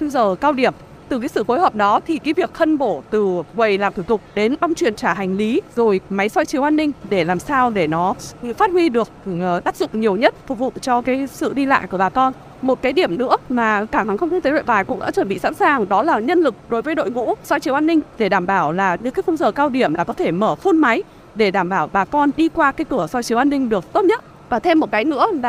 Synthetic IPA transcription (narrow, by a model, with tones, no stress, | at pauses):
fə˧zəː˨˩kaː˧wɗi˧˩əm | t̪ɨ˨˩kaː˨˦jsɨ̰˧˨fo˨˦jhəː˨˩p̚ɗɔ˨˦t̪ʰi˨˩kaː˨˦jvi˨˩ək̚xə˧nɓo˧˩t̪ɨ˨˩kwə˨˩jlaː˨˩mt̪u˧˩t̪ʊ˨˩k͡p̚ɗe˨˦nɓa˧wŋ͡mt͡ɕwi˨˩ənt͡ɕaː˧˩ɦa˨˩jŋ̟li˨˦zo˨˩jma˨˦jswɔ˧jt͡ɕi˨˦wʔaː˧nːï˧ŋ̟ɗe˧˩laː˨˩msaː˧wɗe˧˩nɔ˨˦˨faː˦˥t̚hwi˧ɗɨ˨˩ək̪̚ːɗ̪aː˦˥p̚zʊ̰˧˨ŋ͡mɲi˨˩əwɲə˦˥t̚fʊ˨˩k͡p̚vṵ˧˨t͡ɕɔ˧kaː˨˦jsɨ̰˧˨ɗi˧la̰ː˧˨jku˧˩ɓaː˨˩t̪ɔ˧n | mo˨˩t̚kaː˨˦jɗi˧˩əmnɨ̰˧˥əmaː˨˩kaː˧˩ha˨˦ŋxə˧wŋ͡m̪t̪̚ʰt̪e˨˦ɗo̰˧˨jɓaː˨˩jkʊ̰˧˥ŋ͡mɗa̰ː˧˥t͡ɕwə˧˩nɓḭ˧˨sa̰ː˧˥nsaː˨˩ŋɗɔ˨˦laː˨˩ɲə˧nlɨ˨˩k̚ɗo˨˦jvəː˨˦jɗo̰˧˨jŋṵ˧˥sɔ˧jt͡ɕi˨˦wʔaː˧nːï˧ŋ̟ɗe˧˩ɗaː˧˩mɓaː˧˩wlaː˨˩ɲɨ˨˦kaː˨˦fə˧nzəː˨˩kaː˧wɗi˧˩əmlaː˨˩kɔ˨˦t̪ʰe˧˩məː˧˩fu˧nma˨˦j | ɗe˧˩ɗaː˧˩mɓaː˧˩wɓaː˨˩kɔ˧nɗi˧kwaː˧kaː˨˦jkɨ˧˩əsɔ˧jt͡ɕi˨˦əwʔaː˧nːï˧ŋ̟ɗɨ˨˩ək̚t̪o˦˥t̚ɲə˦˥t̚ | vaː˨˩t̪ʰe˧mːo˨˩t̚kaː˨˦jnɨ̰˧˥əla˨